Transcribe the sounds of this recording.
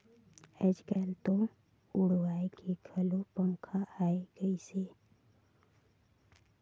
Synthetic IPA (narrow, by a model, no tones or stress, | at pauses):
ɛd͡ʒkɛːlt̪o | ʊɽwaːekekʰəlopəmkʰaaːeɡ̥əise